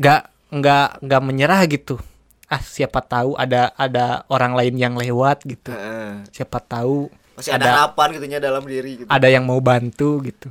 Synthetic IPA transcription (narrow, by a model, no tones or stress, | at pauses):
ɡaʔ | ŋɡaŋɡaʔməɲəɾahɡit̪u | ʔahsiapat̪auʔa̰daʔadaoɾaŋlaɪnjaŋlewat̪̚ɡit̪usiapat̪au | masiadaaapanɡit̪uɲadalamdiɾiɡit̪adajaŋmaubant̪uɡit̪u